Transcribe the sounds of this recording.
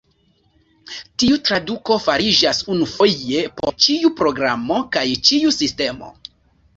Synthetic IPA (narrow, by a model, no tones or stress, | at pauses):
tiutɾaduko̞faɾid͡ʒasunufo̞e̞poo̞ɾt͡ʃiupɾo̞ɡɾamo̞kajt͡ʃiusiste̞mo̞̰